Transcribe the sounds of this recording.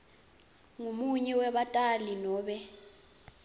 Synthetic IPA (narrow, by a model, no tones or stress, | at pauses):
ŋumuɲɛwɛɓatʼalinɔːɓɛ